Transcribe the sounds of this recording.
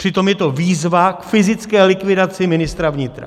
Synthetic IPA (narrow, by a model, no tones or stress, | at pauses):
r̥ɪt̪o̞mjɛt̪o̞viːzvakfɪzɪt͡skɛːlɪkvɪdat͡sɪmɪnɪst̪ɾavɲɪt̪ɾa̰